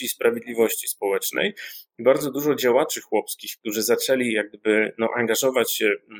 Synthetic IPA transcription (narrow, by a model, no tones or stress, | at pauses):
iːspɾavʲjed̪lʲivɔɕt͡ɕispɔwɛt͡ʂnɛ̰jibaɾd̪zɔd̪uʐɔd͡ʑawat͡ʂɘxwɔpskʲixk̚t̪uʐɘzat͡ʂɛlʲijaɡ̚d̪ɘbɘnɔ̰ʔaŋɡaʐɔvat͡ɕɕɛ